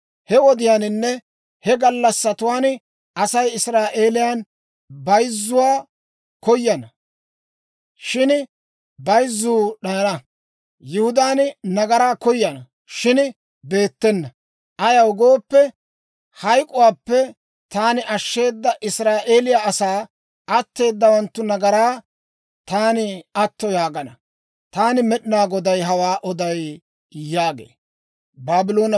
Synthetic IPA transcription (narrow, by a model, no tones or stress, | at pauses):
hɛɔd̪ɪjaːnɪnːɛ | hɛɡɐlːɐsːɐt̪ʊwaːn | ʔɐsɐjɪsɾaːʔeːlɪjaːn | bɐjzːʊwaː | kɔjːɐnɐ | ʃɪn | bɐjzːuːɗɐnɐ | jʊhʊd̪aːnnɐɡɐɾaːkɔjɐnɐ | ʃɪn | be̞ːt̪ːɛnːɐ | ʔɐjɐwʊɡo̞ːpːɛ | hɐjkʼʊwaːpːɛ | t̪aːnɪʔɐʃːe̞ːd̪ːɐʔɪsɾaːʔe̞ːlɪjaɐsaː | ɐt̪ːe̞ːd̪ːɐwɐnt̪ːʊnɐɡɐɾaː | t̪aːnɪɐt̪ːɔjaːɡɐnɐ | t̪aːnɪmɛɗɪnaːɡɔd̪ɐjɦɐwaːʔɔd̪ɐj | jaːɡḛː | baːbɪlo̞ːnɐ